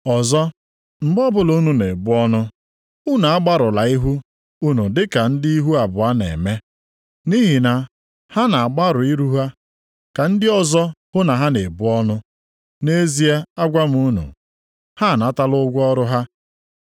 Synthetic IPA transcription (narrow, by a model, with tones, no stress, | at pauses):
ɔ˨zɔ˦ | m̩˨ɡ͡bɔ˦bʊ˨lo˦nu˨ne˨bʊ˦ɔ˦nʊ˦ | u˦na˨a˦ɡ͡ba˦ɾʊ˨la˨i˦ɦu˦ | u˦nu˨dɪ˦ka˨n̩˦dɪ˦i˦ɦu˦a˨bʊ˨a˦nḛ˨me˦ | ni˦ɦi˨na˨ | ha˦na˨a˨ɡ͡ba˦ɾʊ˨i˦ɾu˦ɦa˦ | ka˨n̩˦dɪ˦ɔ˦zɔ˦hʊ˦na˨ɦa˦ne˨bʊ˦ɔ˦nʊ˦ | ne˦zi˦e˦a˦ɡʷa˦m̩˨u˦nṵ˨ | ha˦˨na˦ta˦lʊ˦ɡʷɔ˦ɾʊ˦ɦa˦